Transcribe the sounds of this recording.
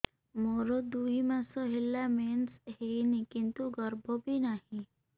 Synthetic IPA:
moɾod̪uɦimãsɔɦelːamensɦeinikint̪uɡəɾbʱɔbʱinahĩ

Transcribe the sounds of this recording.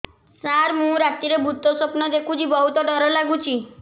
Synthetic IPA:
saɾmũɾat̪iɾebʱut̪ɔsopnɔd̪ekʰũt͡ʃʰibɔɦut̪ɔɖɔɾɔlaɡut͡ʃʰi

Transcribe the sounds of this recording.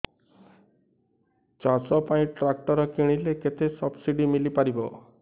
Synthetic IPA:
t͡ʃasɔpãĩʈɾak̚ʈɔɾɔkiɽ̃ileket̪ʰesɔbsiɖimilipaɾibɔ

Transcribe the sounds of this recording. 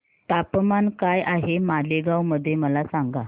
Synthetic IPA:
t̪apmankajʔaɦemaleɡawməd̪ʱːjeməlasaŋɡa

